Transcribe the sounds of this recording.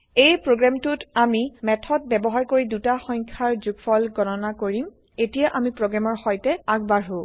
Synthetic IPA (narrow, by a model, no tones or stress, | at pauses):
ejpɹoɡɹamtʊtamimɛtʰɔt̚bɛbɔɦaɹkoɹidutaxɔɲkʰaɹzuɡfʰɔlɡɔnɔnakoɹim | etijaʔamipɹoɡɹamɔɹxɔjtɛaɡbaɹɦo